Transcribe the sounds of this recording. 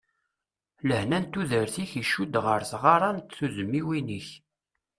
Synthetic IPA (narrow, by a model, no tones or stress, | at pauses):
ləhnænt̪uðəɾθiçiʃud̪ʁəɾsʁɑɾˤɑnt̪θuzəmːiwiniç